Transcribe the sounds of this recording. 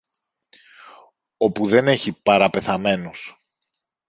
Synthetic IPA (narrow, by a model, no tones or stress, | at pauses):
o̞puðe̞ne̞çipɐɾɐpe̞θɐme̞nos